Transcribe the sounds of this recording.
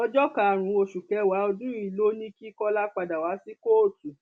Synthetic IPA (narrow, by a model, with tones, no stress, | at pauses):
ɔ˧d͡ʒɔ˦ka˨ɾ̃ũ˨˧˦o˧ʃu˨kɛ˨˧wa˨˦ɔ˧dũ˦i˨lo˦nĩ˦ki˦kɔ˦la˦k͡pa˧da˨wa˨˦si˦ko˦˨tu˨